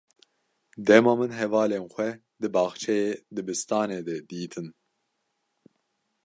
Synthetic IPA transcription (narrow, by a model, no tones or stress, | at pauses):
d̪ɛmɑːmɨnɦɛvɑːleːnxʷɛ | d̪ɨbɑːxt͡ʃʰɛjeːd̪ɨbɨst̪ɑːneːd̪ɛd̪iːt̪ʰɨn